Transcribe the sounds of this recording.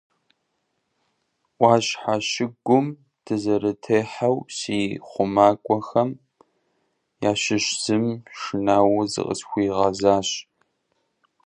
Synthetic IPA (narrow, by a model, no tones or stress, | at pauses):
ʔʷɑːɕħaɕɪɡʷʊm | tʰɨzɐɾɨtʰeːħawsiːχʷʊmaːkʷʼɔxɐm | jaːɕɪɕz̥ɨmʂɨnaːwʊzɨ̰qʼə̰sxʷiːʁɐzaːɕ